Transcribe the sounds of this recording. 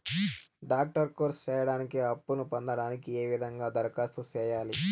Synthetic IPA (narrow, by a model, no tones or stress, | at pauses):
ɖaːk̚ʈɐɾkoːɾst͡ʃɛːjɐɽaːnikiɐpːunupɔnd̪ɐɽaːnikieːʋid̪ʱɐŋɡaːd̪ɐɾkaːst̪ut͡ʃɛːjaːli